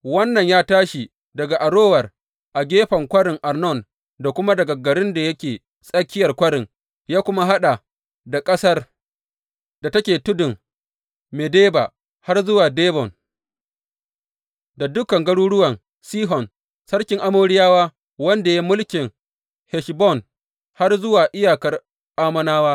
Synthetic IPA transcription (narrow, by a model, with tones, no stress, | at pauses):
wɐ˦nːɐ˨ɲjaː˦taː˦ʃi˨ | dɐ˨ɡa˨ʔa˨ɽoː˦wɐ˨r | ʔa˨ɡʲeː˦ɸɐ˨ŋkʷɐ˦ɽɪ˨ŋʔa˨rnɔ˦˨n | da˨kʷʊ˦ma˦dɐ˨ɡa˨ɡɐ˨ɽɪ˦nda˨jɐ˦kʲeː˨ | sʼɐ˦kʲːɪ˦jɐ˨rkʷɐ˦ɽɪ˨ŋ | jaː˦kʷʊ˦ma˦ɦa˦ɗa˨ | da˨kʼɐ˦sɐ˦r | da˨tɐ˦kʲeː˨tʊ˦dʊ˨ŋ | meː˨deː˦baː˨ | ha˦rzʊ˦waː˨deː˦bɔ˨n | da˨dʊ˦kɐ˨ŋɡɐ˦ɽuː˦ɽʊ˦wɐ˨n | siː˦ɦɔ˨n | sɐ˦rkʲɪ˦ŋʔa˦moː˦ɽɪ˦jaː˦waː˦ | wɐ˦nda˨ja˦mʊ˦lkʲɪ˨ŋ | hɛ˨ʃbɔ˦˨n | ha˦rzʊ˦waː˨ʔɪ˦jaː˨kɐ˨r | ʔaː˦mɐ˦naː˦waː˦